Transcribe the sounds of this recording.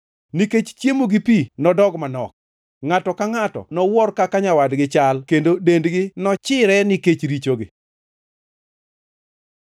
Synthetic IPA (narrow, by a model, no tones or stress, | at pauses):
niket͡ʃt͡ʃjemoɡɪpinɔdɔɡmanɔ̰k̚ | ŋatɔkaŋatɔ̰nɔwɔrkakaɲawadɡɪt͡ʃalkendodendɡɪnɔt͡ʃɪɾɛnɪket͡ʃɾit͡ʃoɡɪ